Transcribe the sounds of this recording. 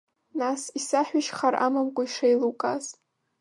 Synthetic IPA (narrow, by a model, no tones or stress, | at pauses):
nasisaħʷᶣaʃχaɾʔa̰mamkʷʼaiʂejlukʼaz